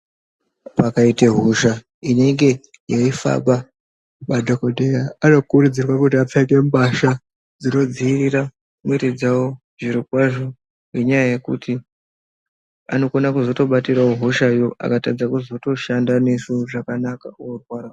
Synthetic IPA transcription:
pakaiteɦuʃa | ine̞ŋɡe̞ | joifa̰ɓa | madʱoko̞dʱejaːno̞kurud͡zirwakut̬iap͡faiɗe̞muɓaʃa | d͡zino̞d͡ziiriɾa | mueited͡zawo | ʐiɾikwaʐo̞ | ɦeɲajaje̞kṵtʰi | a̰no̞konakuzo̞to̞ɓatiraoɦuʃajo̞ʔa̰katad͡zakuzo̞to̞ʃandanesuʐakanaka̰orwaːra

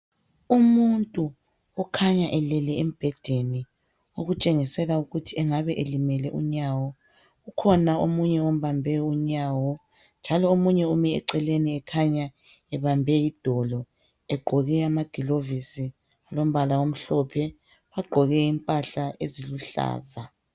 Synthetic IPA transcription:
umuntʼu | ɔkʰaɲaʔɛlɛlɛem̩b̥ʱɛd̥ʱeni | oɣut͡ʃʼeŋisɛlauɣutʰiɛŋaβɛʔelimɛlɛʔṵɲawɔ | ɣukʰɔnaomuɲɛom̩βambʱɛuɲaːwɔ | nd͡ʒʱalɔomuɲɛumiɛ̰ǀɛleniɛkʰaɲa | ɛβambʱɛjid̥ʱɔlɔ | ɛɡ͡ǃʱɔɣɛamaɡ̥ʱilovisi | alom̩βalawom̩ɬɔpʰɛ | βaɡ͡ǃʱɔɣɛimpʼaɬaḛziluɬa̰ːza

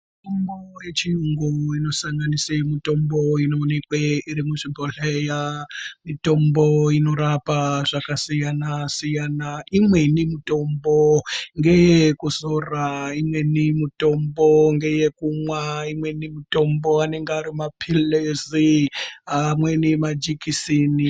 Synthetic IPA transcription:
mitombojet͡ʃiuŋɡuino̞saŋɡanisemito̞mbo̞inoːnekweiɾimuʐibʱoɬejamito̞mbo̞ino̞ɾapaʐakasijanasijanaimwe̞nimito̞mboŋɡejekuzoraimwe̞nimuto̞mbo̞ŋɡe̞je̞kumwaimwe̞nimuto̞mbo̞ane̞ŋɡaɾimapʰileziamwe̞nimad͡ʒikisini

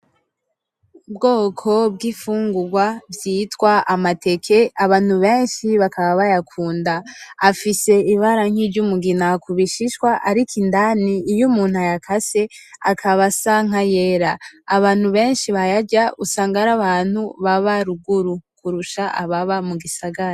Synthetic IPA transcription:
bɡo̞ːkʰo̞b̚ɡiːfuːŋɡuɾɡwavjiːtwaamate̞kʰe̞aβaːn̥huβe̞ːnʃiβakaβaβajakʰuːndaːfise̞iβaɾaŋ̥hiːvɟumuɡinakuβiʃiʃkwaʔaɾikindaniːjumuːnhajakʰase̞ | akʰaβasaŋ̥aje̞ːɾaːβaːn̥huβe̞ːnʃiβajaɟaʔusaːŋɡaɾaβaːn̥huβaβaɾuɡuɾukuɾuʃaʔaβaβamuɡisaɡaɾa

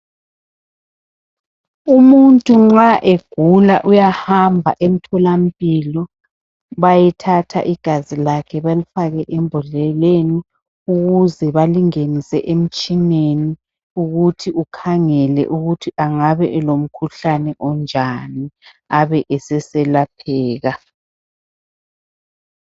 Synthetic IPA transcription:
umuntʼuŋ͡ǁaʔeɡ̥ʱulaʔujahambʱaʔem̩tʰɔlampʼilɔ | βajitʰatʰa̰ʔiɡ̥ʱazilakʰɛβelifaɣɛʔɛmbʱɔlɛleni | uɣuzɛβaliŋenisɛʔem̩t͡ʃʼineni | uɣutʰiukʰaŋɛlɛ̰ʔuɣutʰiʔaŋaβɛʔɛlom̩kʰuɬanɛʔɔnd͡ʒʱani | aβɛʔɛsɛsɛlap̚ʰɛːɣa

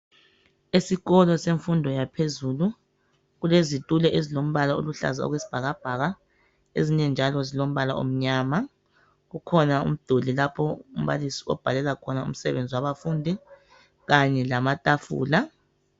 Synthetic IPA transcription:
esiɣɔlɔseɱfundʱɔjapʰezuːlu | ɣulezitʼulɛʔezilom̩βalao̰luɬa̰zaɔ̰ɣwesi̥b̥ʱaɣab̥ʱaɣa | ḛziɲɛnd͡ʒʱalɔzilom̩βalao̰m̩ɲama | ɣukʰɔnaṵm̩d̥ʱolilapʰɔum̩βa̰lisi̥ɔ̰b̥ʱalɛlakʰɔnaṵm̩sɛβend͡zʱiwaβafuːndʱi | ɣaɲɛlamatʼafṵːla

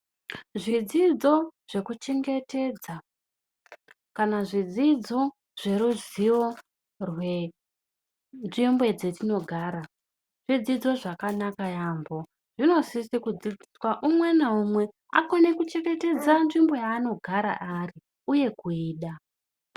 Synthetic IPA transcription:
ʐid͡zid͡zo̞ʐ̥e̞kut͡ʃe̞ŋɡe̞te̞d͡za | kanaʐid͡zid͡zo̞ | ʐ̥e̞ɾuziʋo | rwe | nʐimbwe̞d͡ze̞tino̞ɡʱaːɾa | ʐ̥id͡zid͡zo̞ʐakanakajaːmbo̞ | ʐ̥ino̞sisikud͡ziskwaʔumwe̞naumwe̞ | a̰ko̞ne̞kut͡ʃe̞ŋɡe̞te̞d͡zanʐimbo̞jaːno̞ɡʱaɾa̰ʔari | uje̞kuiːɗa

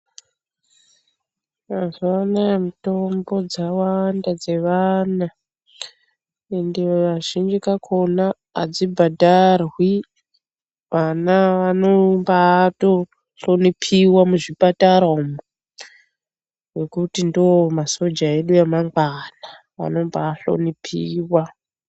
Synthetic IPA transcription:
azanajemito̞mbo̞d͡zawandad͡ze̞ʋana | endeʋaʒind͡ʒikakʰo̞na̰ː | d͡zibʱadʱarwi | ʋanaʋanombato̞ | ɬonipʰiwamuʐipataɾomo | wekutindomaso̞d͡ʒae̞ɗujamaŋɡwana | ʋa̰no̞mbaːɬo̰nipʰiːwa

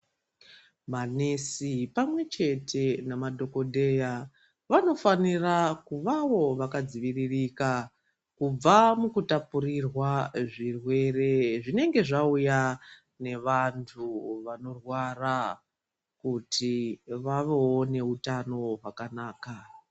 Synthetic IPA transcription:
manesipamwe̞t͡ʃe̞te̞namadʱo̞ko̞dʱe̞ja | ʋano̞fanirakuʋawo̞ʋakad͡ziʋiririka | kub͡vamukutapurirwaʐirwe̞re̞ʐine̞ŋɡe̞ʐauja | ne̞ʋantʰuʋano̞rwara | kutʰiʋaʋe̞wo̞ne̞utano̞ɦakanaːka

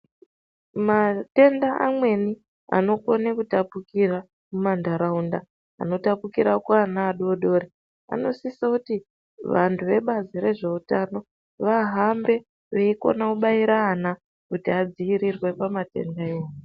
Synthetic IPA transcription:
mate̞ndaʔa̰mwe̞ni | a̰no̞ko̞nekutapukiɾa | mumandaɾaunda | a̰no̞tapukiɾakwanaːɗo̞ɗo̞ːɾe | a̰no̞̰sisakuti | ʋantʰuʋe̞ɓaziɾe̞ʐe̞utano̞ | ʋaɦambe̞ | ʋeiko̞̰nakuɓaiɾaːna | kutiad͡ziiɾirwe̞pamate̞̰ndaeːju

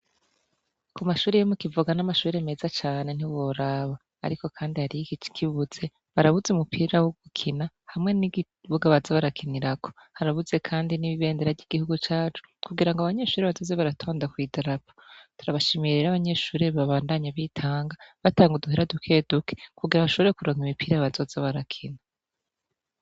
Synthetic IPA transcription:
kumaʃuːɾejomukivuɡanamaʃuːɾeme̞zat͡ʃaːne̞n̥iwoɾaβa̰ːɾiko̞kʰaːndihaɾiikit͡ʃi̥kʰiβuz̥e̞ | βaɾaβuzeumupʰiːɾawoɡ̥ukʰina | hamŋe̞ni | βuɡaβazaβaɾakʰiniɾakʰo̞̥haɾaβuze̞kʰaːndiniβiβe̞ːndeɾaɾɟiɡ̥ihuɡut͡ʃaːt͡ʃu̥kuɡiɾaŋɡoaβaɲe̞ʃuːɾeβazo̞ːzeβaɾatʰo̞ːndakwiːdaɾapotuɾaβaʃimiɾiɾaβaɲe̞ʃuːɾeβaβaːndaɲaβitʰaːŋɡaβataːŋɡuduɦiɾadukʰe̞ːdukʰe̥kuɡiɾaβaʃoβeɾekuɾoːŋɡimipiːɾaβazo̞ːzeβaɾakʰina

